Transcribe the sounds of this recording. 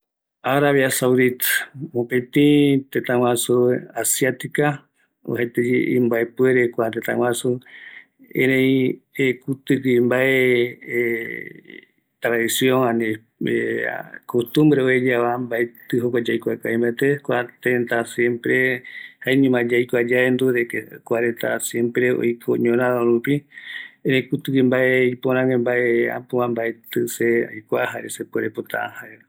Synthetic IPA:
aɾaβjasawd̪it̪mõpẽt̪ĩt̪et̪ãw̃ãsuasjat̪ika | o̰hat̪ed͡ʒeimbaepueɾekʷat̪et̪ã̰wãsu | ḛ̃ɾẽiekut̪ɨkɨmbae | t̪ɾaðisjõŋani | ḛkost̪ũmbɾeoed͡ʒaβambaet̪ɨɦokʷad͡ʒajkʷakajmbaet̪ekʷat̪ẽnt̪asjẽmpɾehaeɲũmãd͡ʒajkʷad͡ʒaend̪uɾekekʷaɾet̪asjẽmpɾeo̰jkʰo̰ɲõnãðoɾupienekut̪ɨkimbaeipõɾãŋẽmbaʔeã̰poãmbaet̪ɨsea̰jkʷahaɾesepoɾepot̪ã̰ãhaɾe

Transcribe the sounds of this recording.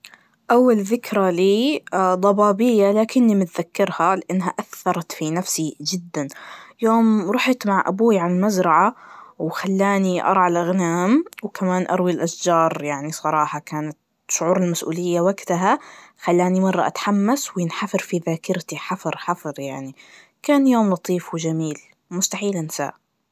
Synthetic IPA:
ʔawːalðɪkɾaliːd̪ˤɑbɑːbɪjːalaːkɪnːimɪt̪ðakːɑɾˤhalɪʔanːɦaʔaθːɑɾˤɑt̪finafsid͡ʒɪd̪ːanjoːmɾˤʊħɪt̪maʕʔa̰buːʕalmazɾˤɑʕawxalːaːniʔɑ̰ɾˤʕalʔaɣnaːmwkamaːnʔɑ̰ɾˤwilʔaʃd͡ʒɑːɾˤjaʕnisˤɑɾˤɑːħɑkaːnat̪ | ʃʊʕuːɾɪlmasʔṵːlɪjːawaɡt̪aɦaxalːaːnimɑrˤːɑʔa̰t̪ħamːaswjɪnħafɑɾfiðaːkɪɾt̪iħɑfɨɾˤħɑfɨɾˤjaʕni | kaːnjoːmlɑt̪ˤiːfwɪd͡ʒamiːl | mʊst̪aħiːlɪnɪsa̰ːʔ

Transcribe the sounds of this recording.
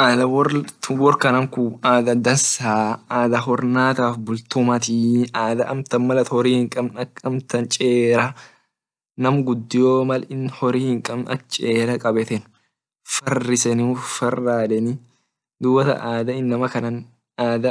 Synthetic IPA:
ʔaːd̪ɐwɔtwɔɾkɐnɐŋkuaːd̪ɐd̪ɐnsaːaːd̪ɐɦɔɾnaːt̪aːfbʊlt̪ʊmɐt̪ɪaːd̪ɐʔɐmt̪ɐnmɐlɐt̪hɔɾiːhɪŋkʼɐbnɐkːɐmt̪ɐnt͡ʃʼeːɾɐ | nɐmɡʊd̪ːɪjoːmɐlɪnhɔɾiːhɪŋkʼɐbnʔɐt͡ʃʼeːɾɐkʼɐbɛt̪ɛn | fɐrːɪsɛnɪʊfɐrːaːd̪ɛnɪ | d̪uːbɐt̪ɐ̰ʔaːd̪ɐɪnːɐmɐkɐnɐn | aːd̪ɐ

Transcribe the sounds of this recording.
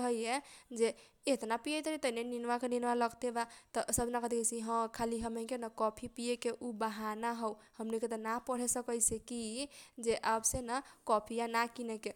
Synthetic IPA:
ɦəjed͡ʒe | et̪napijet̪əɾit̪əneninʋakeninʋaləɡt̪ebat̪ɔsəbʱnakət̪ikesĩɦə̃kʰaliɦəmẽkenakɔpʰipijekeʔubaɦanaɦɔwhəmniket̪ənapəɽ̤ɛsəkəjsekid͡ʒeʔabsenakɔpʰijanakineke

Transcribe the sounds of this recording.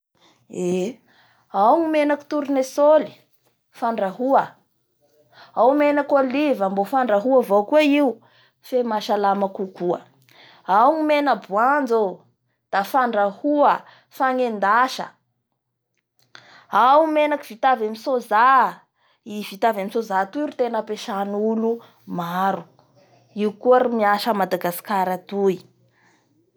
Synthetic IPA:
e | awŋimenaki̥t̪uɾunesoli̥ | faɳɖ͡ʐaɦuə | awmenakolivəmbofaɳɖ͡ʐaɦuəvokweiu | femaʃalamakukuə̰ | awŋimenəbuand͡zo | d̪̥afaɳɖ͡ʐahuə | faŋend̪aʃə̰ | awmenaki̥v̥it̪avamisoza | ivit̪avamisozat̪uiɾit̪enəpeʃanulu | maɾu | iukuəɾimiaʃəmad̪aɡasi̥kaɾat̪ui

